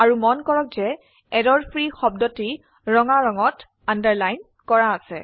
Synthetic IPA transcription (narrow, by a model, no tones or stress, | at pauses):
aɹumɔnkɔɹɔk̚zɛ | ɛdɔɹpʰɹixɔb̚dɔti | ɹɔŋaɹɔŋɔt | andəɹlajn | kɔɹaːsɛ